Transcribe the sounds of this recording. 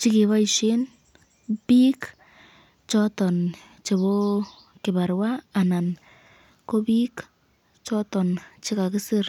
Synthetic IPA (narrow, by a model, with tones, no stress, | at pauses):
t͡ʃɪ˦kɪ˨βa˦iʃɪ˦n | piː˦k | t͡ʃɔ˦tɔ˨n | t͡ʃe˨βo˦ | kɪ˨ba˨ɾwaː˦˨na˨n | ko˦bi˦k | t͡ʃɔ˦tɔ˨nt͡ʃɪ˦ka˨kɪ˦sɪ˦r